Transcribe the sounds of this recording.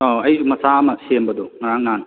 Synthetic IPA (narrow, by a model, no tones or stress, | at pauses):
oɐjmɐsaɐmɐsembɐd̪ɔŋɐɾaŋnan